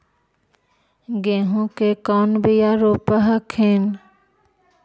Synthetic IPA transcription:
ɡɛ̃ːɦõkekɔːnbɪjaɾoːpəɦəkʰeːn

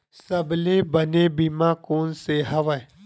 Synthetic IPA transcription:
səblebənebimãːkoːnseɦəʋə

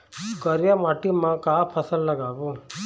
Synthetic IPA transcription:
kəɾjamaːʈimãkaːpʰəsəlːəɡaːʋõ

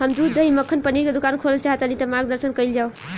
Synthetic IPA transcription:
ʌmd̪ud͡zʌimʌkʰːənpəniɾkod̪ukankʰollt͡ʃaɦt̪ʌnit̪ʌmaɡd̪əɾsənkʌjld͡ʒaw

